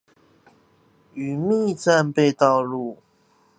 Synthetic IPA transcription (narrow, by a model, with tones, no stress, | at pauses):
y˨˩mi˥˨t͡sa˥˧npe˥˧ɪt̪ɑ˥˧ʊlu˥˨